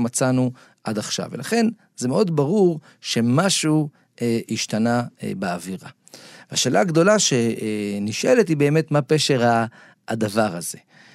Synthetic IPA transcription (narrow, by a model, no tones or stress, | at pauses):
mat͡sanu | ʔadaχʃa̰velʔaχe̞n | zemeo̞dbaʁuʁ | ʃe̞maʃu | eiʃt̪anabeaviʁa | vaʃeːlʔaːɡd̪o̞laʃe̞niʃʔe̞let̪hibe̞ːme̞t̪mape̞ʃeʁa̰ː | d̪avaʁaze̞